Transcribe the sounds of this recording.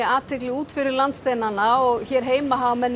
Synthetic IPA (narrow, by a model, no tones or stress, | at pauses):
aːt̪ʰːejklɪuːt̪fɪɾɪɾlant̪st̪eːjnanaɔɣçɛːɾ̥ɦeːjmaɦawmɛnː